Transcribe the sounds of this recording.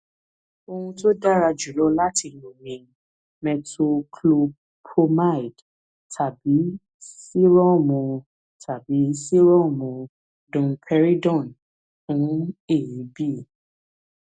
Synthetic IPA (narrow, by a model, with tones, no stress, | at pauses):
o˧hũ˧to˦da˦ɾa˧d͡ʒu˨lɔ˨˦la˦ti˧nũ˨mĩ˨˧˦ | mɛ˧to˧kʰlo˧b | pʰo˧ma˦i˨d | tʰa˨bi˨˦ | si˦ɾɔ˦˨mũ˧ | tʰa˨bi˨˦si˦ɾɔ̃˦˨mũ˧ | dɔ̃˧pʰɛ˦ɾi˦dɔ̃˦˨n | fũ˨˦e˦˨ji˨˦bi˦˨